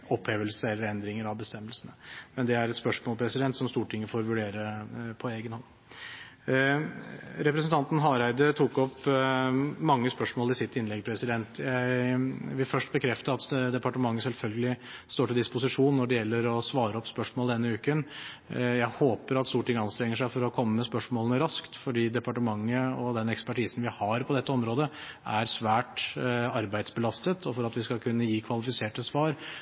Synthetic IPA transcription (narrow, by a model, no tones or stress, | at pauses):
ɔpʰːeːʋəlsəɛlːəɾɛnd̪ɾɪŋəɾɑʋbəst̪ɛmːəlsənəmɛnd̪ɛæɾɛt̪spœʂmoːlpʰɾɛsɪd̪ɛnt̪sɔmst̪uːʈʰɪŋːəfoːɾʋʉɖeːɾəpʰɔeːɡənhɔnː | ɾɛpɾɛsnt̪ʰɑnt̪n̩ɦɑɾæɪd̪ət̪ʰukɔp | mɑŋːəspœʂmoːlɪsɪt̪ːɪnlɛɡpʰɾɛsɪd̪ɛnt̪jæɪʋɪlfœʂʈ̚bəkʰɾɛft̪əɑt̪d̪ɛpɑʈəmɑŋːəsɛlfœlɡəlɪst̪oːʈɪld̪ɪspʊsɪʂuːnːɔɖɛjɛlːəɾɔsʋɑːɾəɔpːspœʂmoːld̪ɛnːəʉːkən | jæɪhoːpəɾɑt̪st̪uːʈʰːɪŋːəɑnst̪ɾɛŋːəʂæɪfɔɾɔkʰɔmːəmɛspœʂmoːlənəɾɑskt̪fɔɖiːd̪ɛpɑʈəmɑŋːəɔd̪ɛnɛkspæʈʰiːsnʋɪhɑɾpʰɔd̪ɛt̪ːəɔmɾoːd̪əʔæɾsʋæːʈɑɾbæɪd̪sbəlɑst̪ət̪ʰɔfɔɾɑt̪ʋɪskɑkʰʉnːəjiːkʰʋɑlɪfɪseːʈəsʋɑːɾ